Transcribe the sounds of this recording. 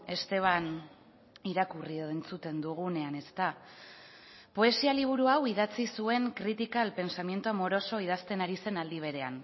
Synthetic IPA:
e̞st̪e̞β̞an | iɾakurioent͡sut̪e̞nd̪uɣ̞une̞ane̞st̪a | po̞e̞sialiβ̞uɾuawiðat͡sisue̞ŋkɾit̪ikalpe̞nsamje̞nt̪uamo̞ɾo̞so̞ið̞ast̪e̞naɾise̞nald̪iβ̞e̞ɾe̞an

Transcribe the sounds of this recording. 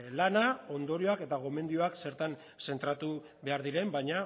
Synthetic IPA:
lanao̞nd̪o̞ɾioake̞t̪aɣ̞o̞me̞nd̪io̞akse̞ɾt̪an | se̞nt̪ɾat̪u | βe̞aɾðiɾe̞mbajɲa

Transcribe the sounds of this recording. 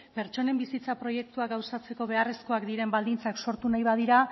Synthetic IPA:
pe̞ɾt͡ʃo̞ne̞mbisit͡sapɾo̞je̞k̚t̪uaɡawsat͡se̞ko̞βe̞aresko̞akd̪iɾe̞mbald̪int͡sakso̞ɾt̪unajβaðiɾa

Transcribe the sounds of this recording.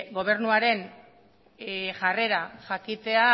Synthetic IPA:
ɡo̞β̞e̞ɾnuaɾe̞n | ʝare̞ɾaʝakit͡s̪e̞a

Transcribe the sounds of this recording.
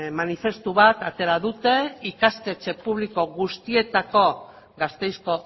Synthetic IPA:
manife̞st̪uβat̪at̪e̞ɾaðut̪e̞ikaske̞t͡ʃe̞puβ̞liko̞ɣust̪ie̞t̪ako̞ | ɡast̪e̞jsko̞

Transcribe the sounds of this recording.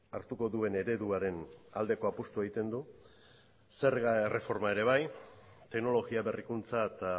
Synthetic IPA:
aɾt̪uko̞ðue̞ne̞ɾe̞ðuaɾe̞nald̪e̞ko̞apust̪ueɣit̪e̞nd̪u | se̞ɾɣaere̞fo̞ɾmae̞ɾe̞βajt̪e̞kno̞lo̞ɣiaβe̞rikunt͡saet̪a

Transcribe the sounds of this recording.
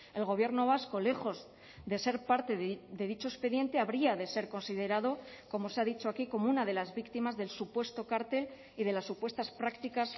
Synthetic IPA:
e̞lɣ̞o̞βje̞ɾno̞β̞asko̞le̞xo̞z | ðe̞se̞ɾpaɾt̪eððe̞ðit͡ʃo̞espe̞ðje̞nt̪e̞aβɾiaðe̞se̞ɾko̞nsið̞e̞ɾaðo̞ | ko̞mo̞seaðit͡ʃo̞akiko̞mounaðe̞lazβikt̪imazðe̞lsupwe̞st̪o̞kaɾt̪e̞l | ið̞e̞lasːupwe̞st̪aspɾakt̪ikas

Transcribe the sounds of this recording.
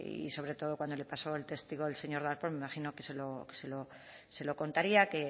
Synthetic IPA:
ḭso̞β̞ɾe̞t̪o̞ð̞o̞kwand̪ole̞paso̞elt̪e̞st̪iɣo̞ðelse̞ɲo̞ɾðaɾpolmemaχinoke̞se̞loke̥selo | se̞lo̞ko̞nt̪aɾiake̞

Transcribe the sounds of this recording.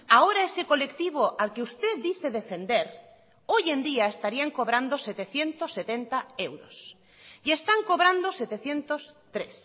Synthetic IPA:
aoɾaesekolekt̪iβ̞oʔalkeust̪ed̪iθeðefend̪eɾ | ojend̪iaest̪aɾiaŋkoβɾand̪oset̪eθjent̪osːet̪ent̪aewɾos | iest̪aŋkoβɾand̪oset̪eθjent̪ost̪ɾes

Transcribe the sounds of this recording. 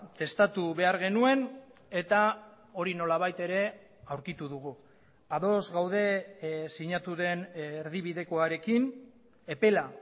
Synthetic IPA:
t̪e̞st̪at̪uβe̞aɾɣe̞nue̞ne̞t̪a | o̞ɾino̞laβ̞ajt̪e̞ɾe̞ | awɾkit̪uðuɣ̞u | aðo̞zɣawð̞e̞siɲat̪uðe̞nːɾðiβiðe̞ko̞aɾe̞kin | e̞pe̞la

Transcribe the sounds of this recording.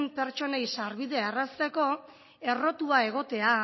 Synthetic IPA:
mpe̞ɾt͡ʃo̞nejsaɾβiðe̞erast̪e̞ko̞ | e̞ro̞t̪uae̞ɣ̞o̞t̪e̞a

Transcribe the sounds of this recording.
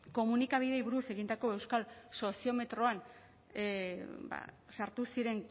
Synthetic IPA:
ko̞munikaβiðe̞jβuɾuse̞ɣind̪ako̞e̞wskalso̞sio̞me̞t̪ɾo̞an | ba̰ | saɾt̪usiɾe̞ŋ

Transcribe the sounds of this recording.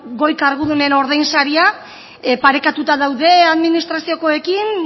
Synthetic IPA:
ɡo̞jkaɾɣuðune̞no̞ɾðajnsaɾia | paɾe̞kat̪ut̪aðawðe̞aðminist̪ɾasio̞ko̞e̞kin

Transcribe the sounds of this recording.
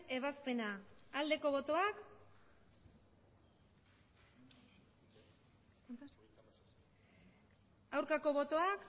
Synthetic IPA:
e̞β̞aspe̞naald̪e̞ko̞βo̞t̪o̞ak | knt̪as | awɾkako̞βo̞t̪o̞ak

